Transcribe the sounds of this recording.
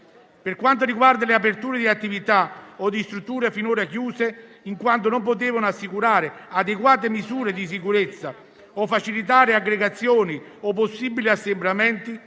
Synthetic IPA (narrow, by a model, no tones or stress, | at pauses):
perkwant̪̬oɾiɡward̪aleapert̪uːɾed̪iat̪ːivit̪aod̪ːist̪ɾut̪ːuːɾefinoːɾakjuːse | iŋkwant̪̬onomp̬ot̪̬eːvanoasːikuɾaːɾɪad̪eɡwaːt̪̬emizuːɾed̪is̬ikuɾet̪sːa | ofːat͡ʃilit̪̬aːɾeaɡːɾeɡat̪sːjoːni | opːosːiːbiliasːembɾamɛnt̪i